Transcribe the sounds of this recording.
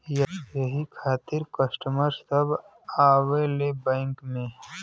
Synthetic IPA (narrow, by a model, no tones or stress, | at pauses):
jɐjɐɦikʰaːt̪ɪɾkəsʈəməɾsɐb | aːwelebɛ̃ːŋkmẽ